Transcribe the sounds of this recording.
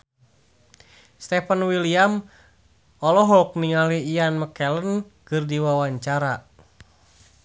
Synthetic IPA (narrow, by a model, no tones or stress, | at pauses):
st̪ɛpənwiliam | ɔlɔɦɔk̚niŋaliijanməkɛlən | kɨrdiwawaɲt͡ʃaɾa